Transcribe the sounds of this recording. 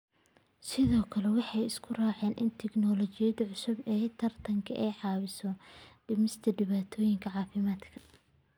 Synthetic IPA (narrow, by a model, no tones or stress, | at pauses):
sɪðɔːkʰɐlɛwɑħɑjɪskʰʊraːʕɛːnʔɪnt̪ʰɛɡnɔːlɔt͡ʃɪjɐd̪ɐʕʊsʊbɛːt̪ʰɐrt̪ʰɐŋkʰɐ̰ʔɛjʕɑːwɪsɔɖɪmɪst̪ʰɐɖɪβaːt̪ʰɔːjɪŋkʰɐʕɑːfɪmaːd̪kʰɐ̥